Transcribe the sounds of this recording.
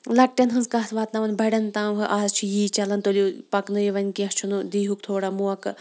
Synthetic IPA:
lɐʈːʲɐnɦɨnzkɐːt̪ʰʋaːt̪nɐʋɐnbɐɽʲɐnt̪ãːwɦɨʔaːzt͡ʃʰijiːt͡ʃɐlɐnt̪olʲupɐknɨjiʋɐnʲkẽɦt͡ʃʰunud̪iːɦukt̪ʰoːɽamuɐk

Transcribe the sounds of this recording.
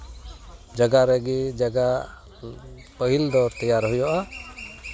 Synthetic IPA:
d͡ʒəɡaɾɛɡɛd͡ʒaɡa | pəɦild̪ɔɾt̪əjaɾɦujɔʔa

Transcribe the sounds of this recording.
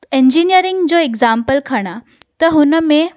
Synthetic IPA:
eɲd͡ʑinijəɾiŋɡd͡zoeɡd͡zampəlkʰaɽ̃a | t̪əɦunəme

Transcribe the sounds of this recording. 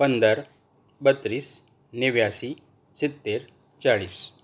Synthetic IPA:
pənd̪əɾ | bət̪ɾiːs | nɪʋjasi | sit̪ːeɾ | t͡ɕaɭiːs

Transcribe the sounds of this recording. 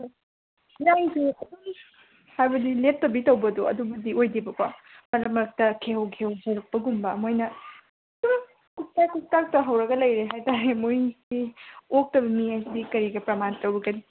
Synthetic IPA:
jaŋsukʰuŋ | hajbɐdilep̚tːɐbitɐwbɐduɐ̰dubɐdiojdibɐkwɐ | mɐlɐmɐɾɐk̚tɐkʰeɦɐwkʰewhɐwɾɐk̚pɐɡumbɐmojnɐ | suɾɐ | kuk̚tajkuk̚tak̚tɐɦɐwɾɐɡɐlɐjɾeɦajtaɾemojɡiok̚tɐbɐmiajsidikɐɾiɡɐpɾɐmantɐwɾɐɡɐni

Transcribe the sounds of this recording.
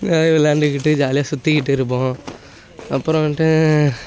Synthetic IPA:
naːɪʋɛlaːɳɖɯkɪʈːɯd͡ʒaːlɪjaːsʊt̪ːikɪʈːɯɾɯp̬ːõ | ɐpːɯɾõʈɯ

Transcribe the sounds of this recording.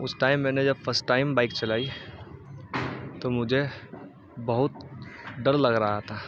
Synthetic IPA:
ʊsʈaːɪmːɛ̃ːned͡ʒɐbfʰəɾsʈːaːɪmbaːɪkt͡ʃɐlaːi | t̪omʊd͡ʒʱe | bəɦʊt̪̚ɖəɾlɐɡɾaɦat̪ʰaː

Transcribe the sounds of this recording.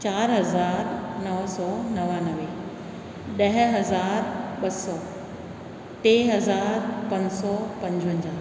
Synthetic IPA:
t͡ɕaːɾɦɐzaːɾnɐʋsɔːnɐʋanɐʋe | ɗɐɦɦɐzaːɾɓɐsɔː | t̪eːɦɐzaːɾpɐ̃ɲd͡ʑsɔːpɐ̃ɲd͡ʑə̃ɲd͡ʑaː

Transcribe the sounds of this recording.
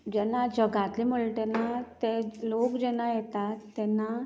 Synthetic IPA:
d͡ʑɛnad͡ʑəɡat̪liməɭʈenat̪elokd͡ʑɛnajɛt̪at̪ːɛnːa

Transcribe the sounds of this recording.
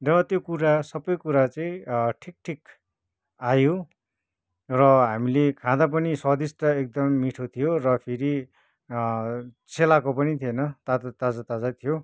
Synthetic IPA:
rʌt̪jokuɾasʌbʌjkuɾat͡sʌĩʈʰik̚ʈʰik | ajo | rʌɦamilekʰãd̪ap̬ʌnisʌd̪isʈʌek̚d̪ʌmːiʈʰot̪ʰijorʌpʰiɾi | t͡sʰelakopʌnit̪ʰienʌt̪aat̪ad͡zat̪ad͡zat̪ʰijo

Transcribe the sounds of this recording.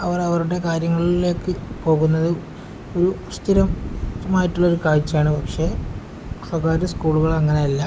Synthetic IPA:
ɐʋɐrɐʋɐruɽe̞kaːɾjɐŋːɐɭile̞ːkːɨpo̞ːɣunːɐðɨ | o̞ɾuɐst̪iɾɐmtːɐmaːjiʈːuɭːɐoɾukaːɻt͡ɕːaːɳɨpɐkʂe̞ | swɐɡaːɾɐskuːɭuɣɐɭɐŋːɐnejɐlːɐ

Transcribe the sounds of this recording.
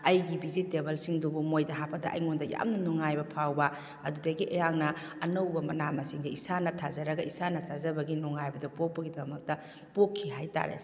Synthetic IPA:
ɐjɡibizitebɐlsiŋdubumojdɐɦapʰɐdɐʔɐ̰jŋondɐja̰mnɐnuŋajbɐpʰawbɐ | ɐdudɐɡiʔejaŋnɐːnɐwbɐmɐnamɐsiŋzeisanɐtʰazɐɾɐɡɐisanɐsazɐbɐɡinuŋːajbɐdɐpok̚pɐɡidɐmɐk̚tɐ | pokʰːiɦajta̰ɾḛ

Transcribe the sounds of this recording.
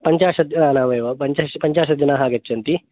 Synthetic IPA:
pɐɲt͡ʃaːʂɐd͡ʒɐnaːnaːʋeːʋɐpɐɲt͡ʃaːʃɐpɐɲt͡ʃaːʃɐd͡ʒɐnaɦaːɡɐt͡ʃːɐnt̪i

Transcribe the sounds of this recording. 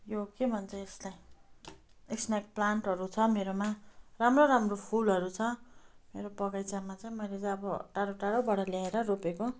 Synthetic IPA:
jokebʱʌnt͡sʰʌeslaj | eksnak̚plaɳʈʌɾut͡sʰʌmeɾomaramroɾamropʰulɦʌɾut͡sʰʌmeɾopʌɡajt͡samat͡saj̃mʌjlet͡saj̃ʌbʌʈaɽoʈaɽobʌɽʌljaeɾʌropeko

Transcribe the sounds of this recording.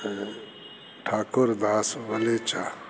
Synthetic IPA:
ʈʰaːkʊɾd̪aːsʋɐlet͡ʃa

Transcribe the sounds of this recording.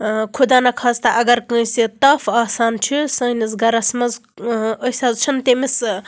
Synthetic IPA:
kʰud̪aːnɐkʰaːzt̪ɐʔɐɡɐɾkə̃jsit̪ɐfaːsaːnt͡ʃʰisɐ̃jnizɡɐɾɐsmɐzəsʲɐzt͡ʃʰɐnt̪emis

